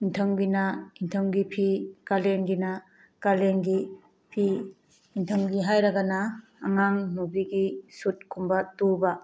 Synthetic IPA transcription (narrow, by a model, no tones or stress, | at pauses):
intʰəŋɡinɐintʰəŋɡipʰikalenɡinɐ | kalenɡi | pʰiː | ntʰəŋɡiɦajɾɐɡɐnɐː | ŋaŋnubiɡisut̚kʰumbɐtubɐ